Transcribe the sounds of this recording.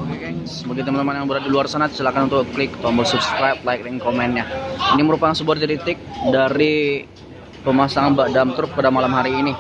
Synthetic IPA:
kɛsbukit̪əmant̪əmanjaŋbəɾat̪̚diluarsanat̪̚səlakanunt̪ʊklɪk̚at̪oaŋbərsup̚skɾap̚laik̚diŋkomɛnɲainiməɾupakansəbuat̪ɾit̪ɪk̚daɾi | pəmasaŋanbaʔdamt̪ɾʊk̚padamalamɦaɾiːni

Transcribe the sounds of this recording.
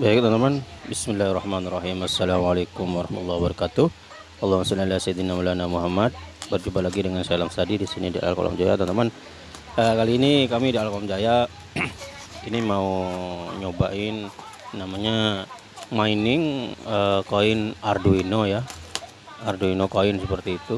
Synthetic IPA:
baɪk̚t̪ɔnt̪əmanbɪsmɪlːarˤːɑhmanrˤɑɦimasːalamalekʊmwɑɾɑhmat̪ulːɑhbəɾɑkat̪uh | ɑlːɑnasulalasad̪inamulanamuɦamat̪̚bərd͡ʒupalaɡidəŋansaalamsadidisinidia̰la̰lko̰lɔ̰md͡ʒaja̰t̪ɔnt̪əman | əkaliːnikamidialalkolamd͡ʒaja | inimauɲobaɪnː | amaɲa | mainɪŋəkoɪnarduinoja | arduinokoɪnsəpərt̪iːt̪u

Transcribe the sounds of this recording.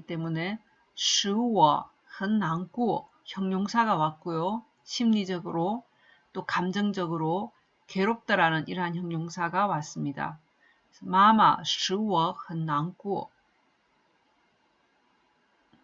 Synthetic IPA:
it͈e̞mune̞ | sɯwʌ | hɯnːaŋk͈uo | çjʌŋɲoŋsʰaɡawat̚k͈ojo | ɕʰimɲid͡ʑʌɡɯɾo | t͈okamd͡ʑʌŋd͡ʑʌɡɯɾo | ke̞ɾok̚t͈aɾanɯniɾɦançjʌŋɲoŋsʰaɡawas͈ɯmɲida̰ | mama̰sɯwʌhɯnːaŋk͈uo̰

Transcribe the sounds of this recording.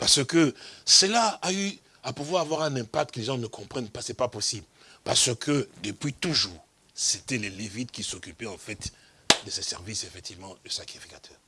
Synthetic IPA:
paʁsəkəsəlaay | apuvwaʁavwaʁɛ̃nɛ̃pakt̪̚kəleʒɑ̃nəkʰɔ̃pχɛnpasɛpaposibl | pa̰ʁsəkʰəd̪əpɥit̪uʒuːʁ | set̪ɛlelevit̪̚kʲisokypɛɑ̃fɛt̪ | d̪əsesɛʁvisefɛk̚t̪ivmɑ̃d̪əsakχifikat̪ʰœːʁ

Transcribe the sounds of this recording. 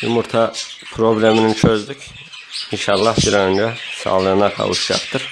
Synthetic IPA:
umuɾt̪ʰɑpʰɾo̞blʲeminint͡ʃʰøzd̪yc | iʃɑɾlˠɑsiɾɑønd͡ʒæsɑ̰ːlˠɯɯnɑkʰɑ̰vṵʃd͡ʒɑ̰qt̪ʰɯɾ

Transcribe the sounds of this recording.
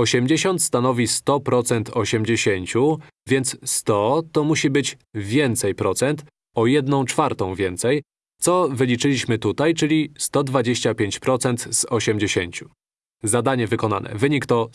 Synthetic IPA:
ɔɕɛmd͡ʑeɕɔnt̪st̪anɔvʲist̪ɔpɾɔt̪sɛnt̪ʰɔɕɛmd͡ʑeɕeɲt͡ɕu | vʲjɛnt̪sst̪ɔt̪ɔmuɕibɘd͡ʑ | vʲjɛnt̪sɛjpɾɔt̪sɛnt̪ | ɔjɛd̪nɔ̃w̃t͡ʂfaɾt̪ɔ̃w̃vʲjɛnt̪sɛj | t̪sɔvɘlʲit͡ʂɘlʲiɕmɘt̪ut̪ajt͡ʂɘlʲist̪ɔd̪vad͡ʑeɕt͡ɕapʲjeɲt͡ɕpɾɔt̪sɛnt̪z̥ɔɕɛmd͡ʑeɕeɲt͡ɕu̥ | zad̪aɲɛvɘkɔna̰nʔɛ̰vɘɲikt̪ɔ

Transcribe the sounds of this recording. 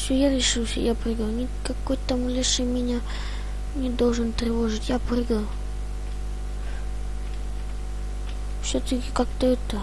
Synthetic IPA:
sʲojaɾʲɪʂɨsʲə̰japɾɨɡənʲɪ | kɐkːojt̪ɐmulʲiʂɨmʲɪnʲa | nʲɪd̪olˠʐɨnt̪ɾʲɪvoʐɨtʲjaprɨɡə | fsʲot̪əkʲɪ̥kak̚t̪əɛt̪ə

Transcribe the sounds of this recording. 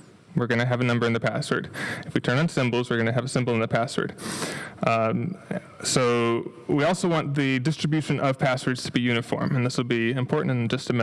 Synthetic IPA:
wəɹɡʌñɨɨvɨnʌ̃mbə˞ɨ̃nðɨpʰæswə̰˞dɨfwitʰɜ̃˞ñn̩sɪ̃mbl̩ˠzwɨɹɡʌñɨːvɨsɪ̃mbl̩ˠə̃nðɨpʰæswə̰˞d̥ | soʊ | wiɔlˠsoʊwɑ̃nðɨdɪstɹ̥ɨbjʉʃɨ̃nʔʌv̥pʰæswə˞dz̥tʰəbijʉnɨfɔ̰ɹmɨ̃nðɪswəl̩ˠbiɨ̃mpʰɔɹʔn̩tnd͡ʒʌstʰɨmɛ

